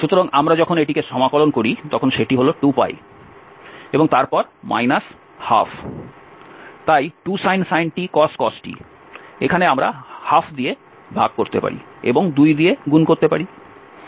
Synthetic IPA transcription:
ʃut̪oɾaŋamɾad͡ʑɔkʰoneʈikeʃɔmakolonkoɾit̪ɔkʰonʃeʈiɦoloʈupa̰j | eboŋt̪aɾpɔɾma̰jnas | ha̰fʰ | t̪ajʈusajnsajnʈikɔsʈkɔsʈḭ | ekʰaneamɾa̰hapfʰd̪ie | bʱaɡ̚koɾt̪ḛpa̰ɾḭḛboŋd̪ujd̪ieɡunkoɾt̪epaɾi

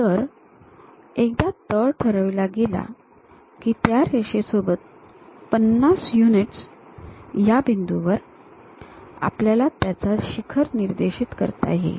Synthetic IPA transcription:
t̪əɾ | ek̚d̪at̪əɭʈʰəɾəʋlaɡela̰ | kiːt̪jaɾeɕesobət̪̚ | pənːasjuniʈs | jabind̪uʋəɾ | a̰pljalat̪jat͡saɕikʰəɾniɾd̪eɕiːt̪kə̰ɾt̪a̰ɦḛ

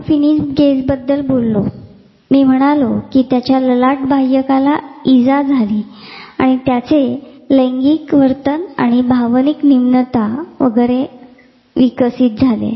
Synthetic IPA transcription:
finisɡesbəd̪ːəlbolːo | miːm̤əɽ̃alokiːt̪jat͡ɕjaləlaʈbʱajjəkalaid͡zad͡zʱaliːaɽ̃it̪jat͡seləŋɡikʋəɾt̪əna̰ɽ̃ibʱaʋniknimnət̪aʋə̰ɡəɾe | ʋikəsiːt̪̚d͡zʱalḛ

